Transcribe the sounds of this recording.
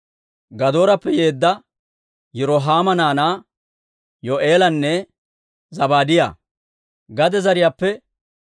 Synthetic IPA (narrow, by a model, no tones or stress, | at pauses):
ɡɐd̪o̞ːɾɐpːɛjeːd̪ːɐ | jɛɾoːɦaːmɐnaːnaː | joʔeːlɐnːɛ | zɐbaːd̪ɪja̰ː | ɡɐd̪ɛzɐɾɪjaːpːɛ